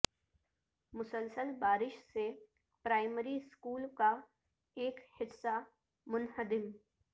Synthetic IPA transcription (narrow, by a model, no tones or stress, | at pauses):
mʊsəlsəlbaːɾɪʃse | pɾaːɪməɾiskuːlka | eːkhɪsa | mʊnhəd̪ɪm